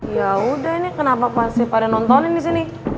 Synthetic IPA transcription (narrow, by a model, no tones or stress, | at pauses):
jaudaɦinikənapapasipadaŋnɔnt̪ɔnindis̬ini